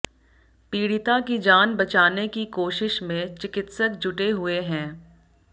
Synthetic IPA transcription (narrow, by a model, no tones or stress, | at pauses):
piːɽɪt̪akid͡ʒaːnbɐt͡ʃaːnekikoːʃɪʃmẽt͡ʃɪkɪt̪sək̚d͡ʒʊʈeɦʊeɦɛ̃ː